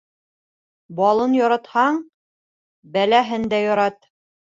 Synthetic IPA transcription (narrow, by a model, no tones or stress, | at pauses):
bɑlˠɤnjɒɾɑt̪hɑɴ | bælæɦɘnd̪æjɒɾɑt̪